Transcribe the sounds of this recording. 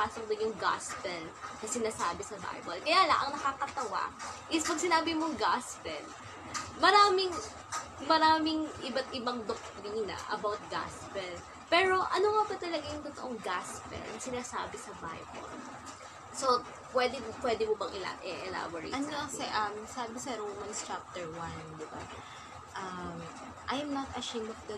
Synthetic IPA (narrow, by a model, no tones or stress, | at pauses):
paːsok̚d̪ɪnjʊŋɡa̰spɛlnɐsɪnaːsaːbɛsɐba̰jbɐlkɐjaːlɐŋʔɐ̰ŋnɐkakɐt̪ɐwa̰ʔɪspɐɡ̚sɪnaːbɪmoŋɡaspɛl | mɐɾaːmɪŋ | mɐɾaːmɪŋʔɪbat̪ʔɪbaŋd̪ok̚t̪ɾiːnɐ̰ʔɐ̰bawt̪̚ɡa̰spɛl | pɛːɹo̞ʔɐnoŋɐbɐt̪ɐlɐɡajʊŋt̪ot̪oʔoŋɡaspɛ̰lʔɐŋsɪnaːsa̰ːbɪsɐba̰hɐ̰jko̰ | so̞ | pwɛd̪ɛpwɛd̪ɪmobɐŋʔɪla̰ʔɛʔɛla̰bɐɹḭʔɐnːɐsɛʔɐmsabkɐsɛɾowmɐnst͡ʃap̚t̪ɛɹwand̪ɪba̰ | ʔam | ʔɐjmnɐt̪ɐʃẽɪmɐfd̪ɐ